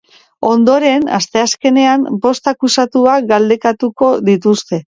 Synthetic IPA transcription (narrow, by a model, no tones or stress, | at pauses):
o̞nd̪o̞ɾe̞na̰st̪e̞aske̞ne̞ambo̞st̪akusat̪uaɡald̪e̞kat̪uko̞ðit̪ust̪e̞